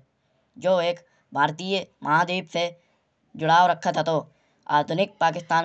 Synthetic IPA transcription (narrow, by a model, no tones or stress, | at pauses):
d͡ʒoːeːk | bʱaːɾt̪ijəmʔɐɦãːd̪eːbse | d͡ʒʊɽaːoːɾəkʰːat̪ʰat̪oː | a̰ːd̪ʱʊnɪk̚paːkɪst̪aːn